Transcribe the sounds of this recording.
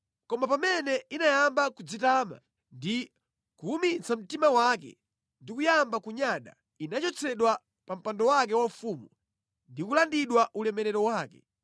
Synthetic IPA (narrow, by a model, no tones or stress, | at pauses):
kɔmapamɛnɛinajambakud͡zitaːma̰ | ndi | kuumit͡sam̩timawakɛ̰ | ndikujambakuɲaɗa | inat͡ʃɔt͡sʰɛɗwa | pam̩pandɔwak̬ɛwaufuːmu | ndikulandiɗwaʔulɛmɛɾɛɾɔwaːkɛ̰